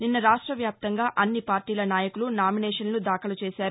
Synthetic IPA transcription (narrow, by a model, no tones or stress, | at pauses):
ninːɐɾaːʂʈɾɐʋjaːp̚t̪ɐŋɡaːʔɐnːipaːɾʈiːlɐnaːjɐkulunaːminɛːʂɐnlud̪aːkɐlut͡ʃɛːʃaːɾu